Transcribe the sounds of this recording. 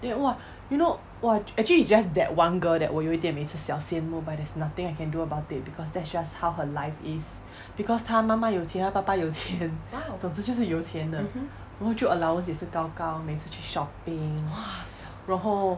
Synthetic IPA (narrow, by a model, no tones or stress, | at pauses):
ɛ̃wa | juno | waɛk̚t͡ʃəliisd͡ʒasdɛʔ̚wãnɡəldɛ̰ʔ̚wɔjoit̪ĩmesəsɛlsẽə̃nmobat̚dɛsnat̪ɪ̃ŋaɪjkɛ̃nduəbaʊtit̚bikʰɔs̬dɛtsd͡ʒasthawɦəlaɪfis | b̥ikɔstʰãmamajotʰiə̃napapajotʰiə̃nsosud͡ʒusəjotʰiə̃nə | ɔ̃hot͡ʃuəlawə̃ns̬jɛsəkakãʊmesəʃisʃɔpɪ̃ŋ | ɹɔ̃ɦo